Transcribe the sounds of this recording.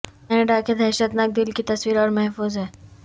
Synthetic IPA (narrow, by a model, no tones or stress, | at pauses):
kɛːneɖaked̪ʱɦɛːʃət̪naːk̚d̪ɪlkit̪ɐswiːɾɔːɾmɛɦfuːzɦɛː